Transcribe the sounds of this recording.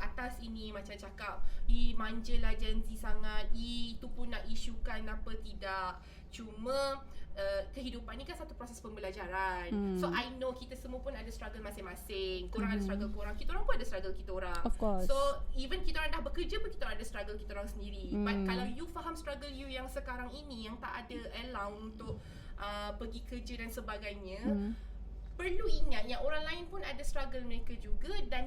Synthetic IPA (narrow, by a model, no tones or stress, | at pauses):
ʔat̪asinimãt͡ʃamt͡ʃakap̚imãɲd͡ʒəlad͡ʒənsisaŋat̪̚it̪upunːaʔiʃukanapət̪idaʔ | t͡ʃumaəkəɦidupanːikansat̪upɾɔsɛspəmbəlad͡ʒaɾansoʔajnokit̪asəmuəpʊnadast̪ɾaɡəlmasɪŋmasɪŋkoɾãŋadast̪ɾaɡəlkoɾaŋkit̪aoɾaŋpunadast̪ɾaɡəlkit̪aoɾaŋɔfkɔssoivənkit̪aoɾaŋndahbəkərd͡ʒapʊnkit̪aoɾãŋadast̪ɾaɡəlkit̪aoɾaŋsəndiɾibat̪̚kalawjufaɦamst̪ɾaɡəljujaŋsəkaɾaŋinijaŋt̪aʔadaʔəlawunt̪ʊʔ̚ | ʔəbəɡikərd͡ʒədansəbaɡajɲa | pərluiŋat̪̚jaʔoɾaŋlaɪnpʊnadast̪ɾaɡəlmənãŋkəd͡ʒuɡadan